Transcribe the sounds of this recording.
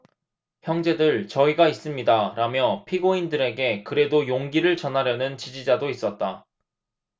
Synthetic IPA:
çjʌŋd͡ʑe̞dɯɭt͡ɕʌiɡais͈ɯmɲidaɾamjʌpʰiɡoindɯɾe̞ɡe̞kɯɾe̞dojoŋɡiɾɯɭt͡ɕʌnɦaɾjʌnɯnt͡ɕid͡ʑid͡ʑadois͈ʌt̚t͈a

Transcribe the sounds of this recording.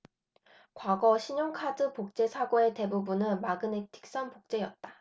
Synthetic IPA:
kwaɡʌɕʰiɲoŋkʰadɯpok̚t͡ɕ͈e̞sʰaɡoe̞te̞bubunɯnmaɡɯnek̚tʰi̥k̚s͈ʌnpok̚t͡ɕ͈e̞jʌt̚t͈a

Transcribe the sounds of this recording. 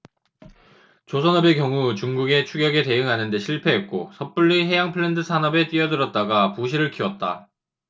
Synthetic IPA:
t͡ɕosʰʌnʌbe̞kjʌŋut͡ɕuŋɡuɡe̞t͡ɕʰuɡjʌɡete̞ɯŋɦanɯnde̞ɕʰiɭpʰe̞ɦːk̚k͈osʰʌp͈uɭːiɦe̞jaŋpʰɯɭːendɯsʰanʌbe̞t͈iʌdɯɾʌt̚t͈aɡapuɕ̬ʰiɾɯɭkiwʌt̚t͈a

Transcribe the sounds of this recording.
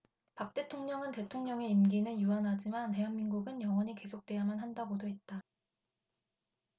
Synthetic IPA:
pak̚t͈e̞tʰoŋɲʌŋɯnte̞tʰoŋɲʌŋe̞imɡinɯnjuʌnɦad͡ʑimanhe̞ɦanmiŋɡuɡɯnjʌŋʌɲike̞sʰok̚t͈we̞jamanɦandaɡodoɦe̞t̚t͈a

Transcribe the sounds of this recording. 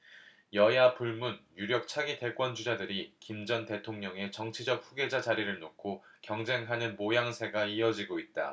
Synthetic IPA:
jʌjapuɭmunjuɾjʌk̚t͡ɕʰaɡite̞k͈wʌnd͡ʑud͡ʑadɯɾikimd͡ʑʌnte̞tʰoŋɲʌŋe̞t͡ɕʌŋt͡ɕʰid͡ʑʌk̚ɸuɡe̞d͡ʑad͡ʑaɾiɾɯɭnokʰo | kjʌŋd͡ʑe̞ŋɦanɯnmojaŋsʰe̞ɡaiʌd͡ʑiɡoit̚t͈a̰

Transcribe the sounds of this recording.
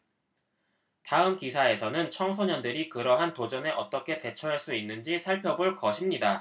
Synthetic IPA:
taɯmkisʰae̞sʰʌnɯnt͡ɕʰʌŋsʰoɲʌndɯɾikɯɾʌɦantod͡ʑʌne̞ʔʌt͈ʌkʰe̞te̞t͡ɕʰʌɾɦaɭs͈uinːɯnd͡ʑisʰaɭpʰjʌbɯɭkʌɕʰimɲida

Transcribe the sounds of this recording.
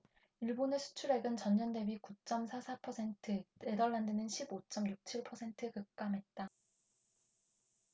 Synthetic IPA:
iɭbonesʰu̥t͡ɕʰuɾe̞ɡɯnt͡ɕʌɲːʌnde̞bikut͡ɕ͈ʌmsʰasʰapʰʌsʰe̞ntʰɯne̞dʌɭːandɯnɯnɕʰibot͡ɕ͈ʌmjuk̚t͡ɕʰiɭpʰʌsʰe̞ntʰɯkɯk̚k͈amɦe̞t̚t͈a

